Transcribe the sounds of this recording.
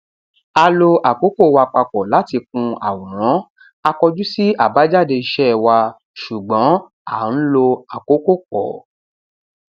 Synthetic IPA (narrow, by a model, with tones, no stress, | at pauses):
a˧lo˧a˨ko˨˦ko˦˨wa˧k͡pa˧k͡pɔ˨la˨˦ti˧k̚ũ˧a̰˨wɔ̃˨ɾ̃ɔ̃˨˦ | a˧kɔ˧d͡ʒu˦si˦a˦˨ba˨˦d͡ʒa˦˨de˧i˧ʃɛ˦˨wa˧ | ʃu˨ɡ͡bɔ̃˨˦ | a˦˨n̩˦lo˧a˨ko˨˦ko˦˨k͡pɔ̰˨